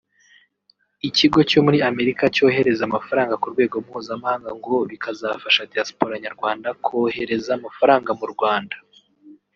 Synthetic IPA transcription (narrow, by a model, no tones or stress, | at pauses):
iciɡo̞co̞muɾiame̞ɾikaco̞ːhe̞ɾe̞zamafaɾaːŋɡakuɾɡwe̞ːɡo̞mhuːzamahaːŋɡaŋɡo̞βikʰazafaʃadiaspoɾaɲaɾɡwaːndakʰo̞he̞ɾe̞zamafaɾaːŋɡamuɾɡwaːndḁ